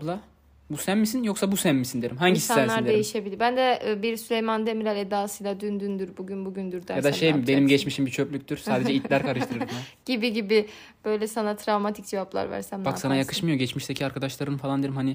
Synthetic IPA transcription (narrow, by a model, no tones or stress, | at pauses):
blˠa | busæmːisinjo̞ksabusæmmːisind̪e̞ɾimɦaɲɟisiatnænlˠaiɾd̪ed̪eɾjiʃe̞bilʲiɾbænd̪ɛbiɾsylʲejmand̪emiɾalʲɛd̪aːsɯjlˠad̪ynd̪ynd̪yɾbuɟynbuɟynd̪yɾd̪æjad̪aʃejbe̞nimɟɛt͡ʃmiʃimbit͡ʃʰøpʲlʲyc̚ʲt̪yɾ̥saːd̪ed͡ʒɛit̪lʲæɾkʰaɾɯʃt̪ʰɯɾɯɾmaɟ̥ibiɟibi | b̥ø̞jlʲɛsanat̪ʰɾavmat̪ʰi̥c̚d͡ʒevaplˠa̰ɾvæ̰ɾsæmbaksanajakʰɯ̥ʃmɯjo̞ɟɛt͡ʃmiʃt̪ʰecʰiaɾkʰad̪aʃlˠaɾɯnfalˠand̪e̞ɾimhani